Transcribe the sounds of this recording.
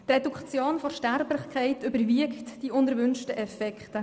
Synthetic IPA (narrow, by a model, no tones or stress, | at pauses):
t̪rɛdukt͡sjoːnfɔɾʃtæɾblɪχkʰɛɪtʏbəɾviəktd̥iʊnəɾvʏnʃtəʔɛfɛkχtə